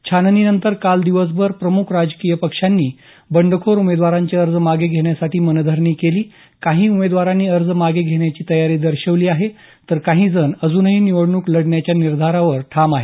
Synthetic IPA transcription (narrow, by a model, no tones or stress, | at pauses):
t͡ɕʰanniːnənt̪əɾkald̪iʋəs̬bʱəɾpɾəmukʰɾad͡zkijəpəkʂanːiː | bəɳɖʱəkʰoɾumed̪ʋaɾaɲt͡ɕeəɾd͡zmaɡeɡʱeɳjasaʈʰiːmənəd̪ʱəɾɳiːkeliː | kaɦiːumed̪ʋaɾanːiːəɾd͡zmaɡeɡʱeɽ̃jat͡ɕiːt̪əjaɾiːd̪əɾɕəʋliːaɦe | t̪əɾkaɦiːd͡zənəd͡zuːnəɦiːniʋəɽɳuːkləɽɳjat͡ɕjaniɾd̪ʱaɾaʋəɾʈʰamaɦe